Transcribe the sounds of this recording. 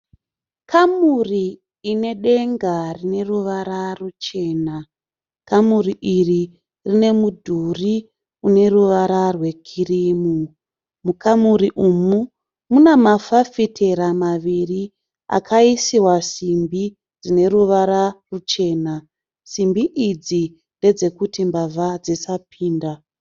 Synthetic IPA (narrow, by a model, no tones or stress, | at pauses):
kʰamuriː | ne̞ɗe̞ŋɡarine̞ruʋaɾarut͡ʃe̞ːna | kamuriʔiri | rine̞mudʱuri | une̞ruʋaɾarwe̞kʰiriːmu | mukʰamuriʔumu | munamafafitʰe̞ɾamaʋiri | a̰kʰaisiwasimbi | d͡zine̞ɾuʋaɾarut͡ʃe̞ːna | simbiʔid͡zi | nde̞d͡ze̞kutimbavʱad͡zisapʰiːnda